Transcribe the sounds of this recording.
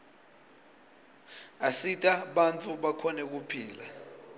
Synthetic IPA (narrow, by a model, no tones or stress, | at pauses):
asitʼaɓant͡fʰuɓakʰɔnɛk̬upʰiːla